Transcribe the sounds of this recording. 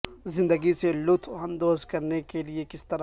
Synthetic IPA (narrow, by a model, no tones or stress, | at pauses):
zɪ̃nd̪əɡiselʊt̪ʰɦɐ̃nd̪oːzkɐɾnekeliekɪst̪ɐɾ